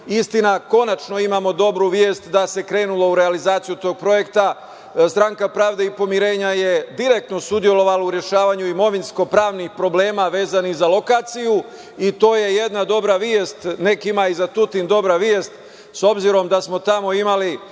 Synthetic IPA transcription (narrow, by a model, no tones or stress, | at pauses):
ist̪inako̞nat͡ʃno̞imamo̞d̪o̞bɾuʋjeːst̪d̪ase̞kɾe̞ːnulo̞uɾealizaːt̪sijut̪o̞ːɡ̚pɾo̞je̞kt̪a | st̪ɾaŋkapɾaːʋd̪e̞ipo̞miɾe̞ːɲaje̞d̪iɾek̚t̪no̞sud̪ije̞lo̞ʋalauɾje̞ʃaːʋaɲuimo̞ʋinsko̞pɾaːʋnixpɾo̞ble̞ːmaʋe̞ːzanizalokaːt̪siju | it̪o̞ːje̞je̞d̪nad̪o̞bɾaʋjest̪ne̞kimaizat̪ut̪ind̪o̞bɾaʋjeːst̪ | so̞bziɾo̞md̪asmo̞t̪amo̞imali